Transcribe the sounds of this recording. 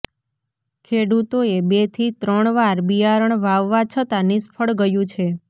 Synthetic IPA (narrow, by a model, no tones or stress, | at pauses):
kʰeɽut̪oebet̪ʰit̪ɾəɳʋaɾbiaɾəɳʋaʋːat͡ʃʰət̪anispʰəɭɡəjũt͡ʃʰe